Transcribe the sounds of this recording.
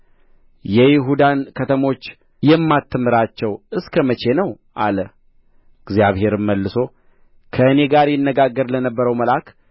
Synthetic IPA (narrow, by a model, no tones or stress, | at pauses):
jɛjɪɦud̪ankʰət̪ʰəmo̞t͡ʃː | jɛmːat̪ʰːɨmɨɾat͡ʃːɛwɨskʰəmət͡ʃe̞nəw | ʔalə | ɨɡzjaβhe̞ɾɨmːəlːɨso̞ | kʰəɨne̞ɡaɾjɪnːəɡaɡːəɾlənəbːəɾəwməlak